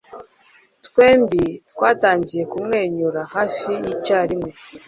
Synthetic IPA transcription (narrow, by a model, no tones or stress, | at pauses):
tkwe̞ːmbitwaːtaːɲɟije̞kumŋe̞ːɲuɾahaːfijicaːɾimŋe̞